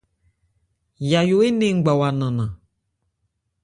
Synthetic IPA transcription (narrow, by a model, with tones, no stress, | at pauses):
ja˨jo˨˦e˦nẽ˦˨ŋ̩˨ɡ͡ba˨wa˨nã˨nã˨